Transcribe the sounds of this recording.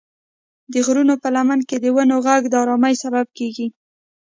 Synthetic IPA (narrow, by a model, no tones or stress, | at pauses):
d̪əɣɾunopəlamanked̪əwanoɣaɡd̪əɑɾɑmajsabab̚keɡi